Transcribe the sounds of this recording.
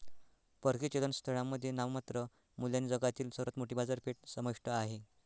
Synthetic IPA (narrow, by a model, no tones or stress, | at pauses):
pəɾkit͡ɕelənst̪ʰəɭamːəd̪ʱːjenaʋmat̪ɾə | muljanid͡zəɡat̪iːlsəɾət̪moʈibad͡zaɾpeʈ̚səməʂʈəaɦe